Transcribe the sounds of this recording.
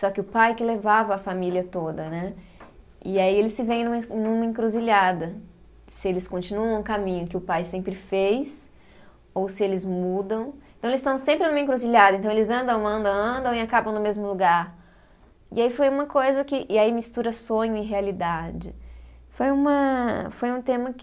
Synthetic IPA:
sɔkɪʊpajkɪlevavɐːfamiliɐt̪od̪ɐnɛ | ɪaielɪsɪvẽj̃nũmɐnũmɐĩkɾuziʎad̪ɐ | sɪelɪskõnt͡ʃinuɐ̃w̃kamĩɲʊkɪʊpajsẽmpɾɪfejs | owsɪelɪzmud̪ɐ̃w̃ẽt̪ɐ̃w̃elɪst̪ɐ̃w̃sẽmpɾɪnũmɐẽkɾuziʎad̪ɐẽnt̪ɐ̃w̃elɪzɐ̃nd̪ɐ̃w̃ɐ̃nd̪ɐ̃w̃ɐ̃nd̪ɐ̃w̃ɪakabɐ̃w̃nʊmezmʊluɡaɾ | ɪ̰aifojũmɐkojzɐkɪʔɪaimist̪uɾɐsõɲʊɪɦealid̪ad͡ʒɪfojũmɐfojũt̪ẽmɐkɪ

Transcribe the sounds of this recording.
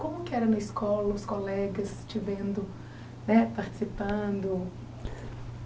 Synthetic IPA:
kõmʊkɪɛɾɐnɐɪskɔlɐʊskolɛɡɐst͡ʃivẽnd̪ʊ | nɛpaɾt͡ʃɪ̥sipɐ̃d̪ʊ

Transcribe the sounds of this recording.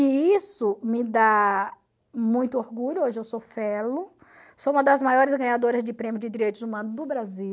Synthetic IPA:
ɪisʊmɪd̪a | mũj̃t̪ʊoɾɡuʎʊoʒɪewsofɛlʊ | soũmɐd̪ɐzmajɔɾɪzɡɐ̃ɲad̪oɾɐzd͡ʒɪpɾẽmjʊd͡ʒɪd̪iɾejt̪ʊzumɐ̃nʊzd̪ʊbɾazi

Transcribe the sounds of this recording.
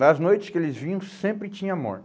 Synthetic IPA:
ɐznojt͡ʃɪ̥skɪelɪzvĩɲɐ̃w̃sẽmpɾɪt͡ʃĩɲɐmɔ̰ɾ

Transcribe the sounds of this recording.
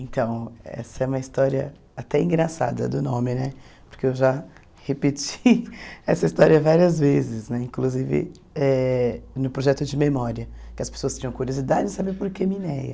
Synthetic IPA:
ẽnt̪ɐ̃w̃ɛ̰sɐɛũmɐist̪ɔɾiɐ̰ | at̪ɛĩɡɾasa̰d̪ɐ̰d̪ʊnõmɪnɛ | poɾkeewʒa | hepet͡ʃiɛsɐist̪ɔɾiɐvaɾiɐzvezɪsnɛĩkluzivɪ̰ | ɛnʊpɾoʒɛt̪ʊd͡ʒɪmemɔɾiɐkɪɐspe̥soɐstt͡ʃ̪ĩɲɐ̃w̃kuɾiozid̪ad͡ʒɪɪsabeɾpoɾkemĩnɛjɐ̰

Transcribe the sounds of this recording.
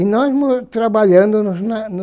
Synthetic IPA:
inɔzmʊt̪ɾabaʎɐ̃nd̪ʊnʊznɐnʊ

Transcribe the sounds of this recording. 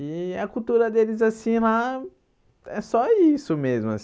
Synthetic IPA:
ɪɐkut̪uɾɐd̪elɪzasĩla | ɛsɔisʊmezmʊa̰s

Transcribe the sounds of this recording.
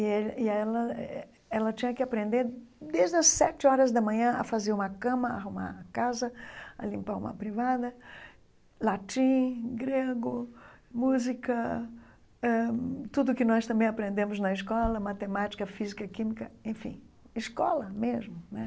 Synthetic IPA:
iɛiaɛlɐ | ɛlɐt͡ʃĩɲɐkɪapɾẽnd̪eɾd̪eʒd̪ɪɐssɛt͡ʃɪɔɾɐzd̪ɐmɐ̃ɲɐ̃ɐ̰fazeɾũmɐkɐ̃mɐaɦuma̰ɾɐkazɐɐ̰lĩmpaɾṵ̃mɐ̰pɾivad̪ɐ | lat͡ʃĩɡɾeɡʊmuzikɐ | ɛt̪ud̪ʊkɪnɔst̪ɐ̃mbẽj̃apɾẽnd̪ẽmʊznɐɪskɔlɐmat̪emat͡ʃi̥kɐfizikɐkĩmikɐẽfḭ̃ | ɪskɔ̰lɐmezmʊnɛ

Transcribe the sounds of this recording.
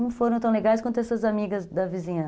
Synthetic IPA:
ɐ̃w̃foɾɐ̃w̃t̪ɐ̃w̃leɡajskwɐ̃nt̪ɛsɐzamiɡɐzd̪ɐvizĩɲɐ̃

